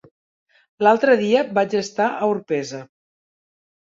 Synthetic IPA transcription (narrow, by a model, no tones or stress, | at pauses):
lalˠt̪ɾəðiəbad͡ʒəst̪aʔəuɾpɛzə